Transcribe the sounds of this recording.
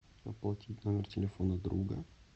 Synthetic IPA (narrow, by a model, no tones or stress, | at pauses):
ɐplˠɐtʲitʲnomʲɪrtʲɪlʲɪfonəd̪ɾuɡə̰